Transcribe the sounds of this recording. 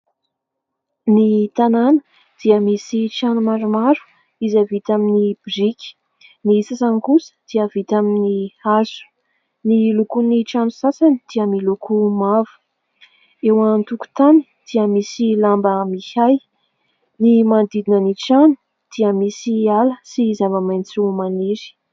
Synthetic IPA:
nit̪ananə | d̪̥iəmisit͡ʃanumaɾumaɾu̥ | izavit̪aminibiɾikʲi̥ | nisasankusə̥d̪̥iəvit̪aminiazu̥ | nilukuniʈ͡ʂanusasanid̪̥iəmilukʰumavu̥ | ewant̪uku̥t̪ani̥ | d̪̥iəmisilambəmihaj | nimand̪id̪inəniʈ͡ʂanu̥ | d̪̥iəmisialəsizavəmajnt͡sumaniɾi̥

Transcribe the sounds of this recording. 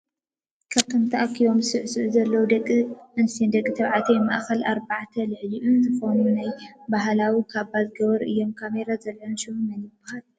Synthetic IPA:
kʰaβt̪ʰomt̪ʰɐʔakʰiβo̞msɨʕsɨʔuzɐlːɐwud̪ɐkʼːɨʔɨnsind̪ɐkʼːɨt̪ʰɐβʕat̪ʰejmɐ̰ʔxɐlaɾbaʕt̪ʰɐlɨħd͡ʒiʔunt̪ʰɨfɐwnunajbaɦlawikʰaβbad̪ɡɐβɐɾʔɨjːo̞mkʰameɾazɐlonʃuhunɐnjɪbːahal

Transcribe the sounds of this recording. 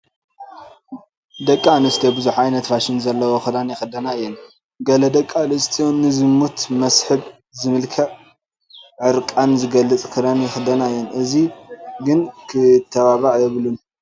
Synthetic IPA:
d̪ɐkʼːanɨst̪ʰobɨzuħajnɐt̪faʃɪnzɐlːɐwoxɨd̪anjɪxɨd̪ɐnaɨjːɛn | ɡɐlɐd̪ɐkʼːalɨst̪ʼijonːɨzɨmut̪mɐsħɨβ | zɨmɨlkʰɐ | ʕɨɾkʼanzɨɡɐlːɨt͡sʼkɨd̪anjɪxɨd̪ɐnaɨjːɛnʔɨziɡɨnkʰɨt̪ʰːɐβaβaʔjɛβlun

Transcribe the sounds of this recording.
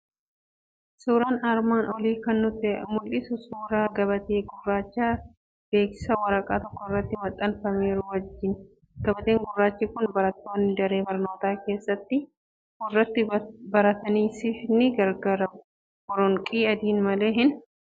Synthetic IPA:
suːɾaːnaɾmaːnʔɔliːkɐnːʊt̪ːɛmʊlʔɪsʊsuːɾaːɡɐbɐt̪eːɡʊrːaːt͡ʃːaː | b̥e̞ːksɪ̥sɐwɐɾɐkʼaːt̪ɔkːɔɪrːɐt̪ːɪmɐt̪ʼːɐlfɐmeːɾʊwɐd͡ʒːɪn | ɡ̥ɐbɐt̪eːŋɡʊrːaːt͡ʃːiːkʊnbɐɾɐt̪ːo̞ːnːɪd̪ɐɾe̞ːbɐɾno̞ːt̪aːke̞ːsːɐt̪ːɪ | wɔrːɐt̪ːɪbɐɾɐt̪ɐniːsɪfnɪɡɐɾɡaːɾɐʊ | ɔɾɔŋkʼiːɐd̪iːnmɐle̞ːɦɪn

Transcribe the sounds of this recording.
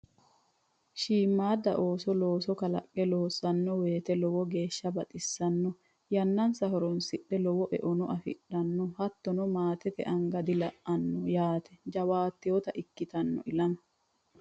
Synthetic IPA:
ʃiːmːaːd̪ɐ̰ʔo̞ːsɔlo̞ːsɔkɐlɐ̰kʼːɛloːsɐnːɔwe̞ːt̪ɛlɔwɔɡe̞ːʃːɐbɐt̪ʼɪsːɐnːɔ | jɐnːɐnsɐhɔɾɔnsɪɗɛlɔwɔʔɛ̰ʔɔnɔʔɐfɪ̰ɗːɐnːɔhɐt̪ːɔnɔmaːt̪ɛt̪ɛ̰ʔɐŋɡɐd̪ɪlɐʔʔɐnːɔjaːt̪ʰɛ̥d͡ʒɐwaːt̪ːɪjɔt̪ɐʔɪkːɪt̪ɐnːɔ̰ʔɪlɐn

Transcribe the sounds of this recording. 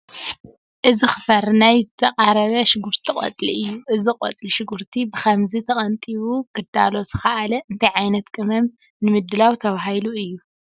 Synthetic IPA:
ʔɨzixɨ̥fɐɾnajzɨt̪ʰɐqʼaɾɐβɐʃɪɡuɾt̪ʰikʼɐ̰t͡sʼliɨjːuʔɨziqʼo̰t͡sʼliʃɪɡuɾt̪ʰibɨxɐmzit̪ʰɐχʼɐnt̪ʼiβuɡ̥ɨd̪a̰lo̞zɨxaʔalɐʔɨnt̪ʰɐjʕajnɐt̪kʼɨmɐm | nɨmɨd̪ːɨlawt̪ʰɐβaɦiluɨjːu

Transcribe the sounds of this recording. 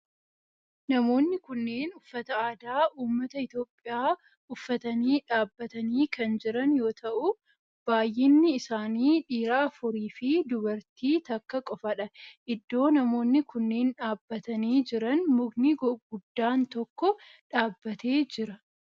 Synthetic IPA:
nɐmo̞ːnːɪkʊnːeːnʊfːɐt̪ɐaːd̪aːʔuːmːɐt̪ɐɪt̪jo̞ːpʼːɪjaː | ʊfːɐt̪ɐniːᶑaːbːɐt̪ɐniːkɐnd͡ʒɪɾɐnjo̞ːt̪ʰɐʔʊ | b̥aːjːɪnːɪːsaːniːᶑiːɾaːɐfʊɾiːfɪd̪ʊbɐɾt̪iːt̪ɐkːɐkʼɔfɐᶑɐʔɪd̪ːo̞ːnɐmo̞ːnːɪkʊnːe̞ːnᶑaːbːɐt̪ɐniːd͡ʒɪɾɐnmʊɡniɡɔɡʊd̪ːaːnt̪ɔkːɔ | ᶑaːbːɐt̪e̞ːd͡ʒɪɾɐ

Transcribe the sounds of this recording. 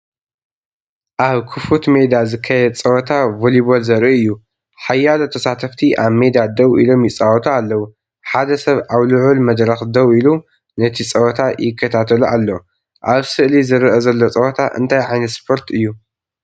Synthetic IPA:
ʔaβkʰɨfut̪me̞d̪azɨkʰːɐjɛd̪t͡sʼɐwt̪ʰavolibolzɐɾʔiɨjːu | ħajːalot̪ʰːɐsat̪ʰɐft̪ʰiʔaβme̞d̪ad̪ɐwʔilo̞mjɪt͡sʼawɔt̪ʰaalːɐwu | ħad̪ɐsɐβʕaβlɨʕulmɐd̪ɾɐxd̪ɐwilu | nɐt̪ʰit͡sʼɐwt̪ʰajɪkʰːɐt̪ʰat̪ʰɐluʔalːo | ʔaβsɨʔlizɨɾʔɐzɐlːot͡sʼɐwɔt̪ʰaʔɨ̰nt̪ʰajʕajnɐt̪spʰo̞ɾt̪ʰɨjːu

